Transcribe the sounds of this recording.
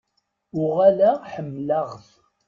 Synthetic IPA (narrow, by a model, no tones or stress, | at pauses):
ʊʁalæħəmːləʁð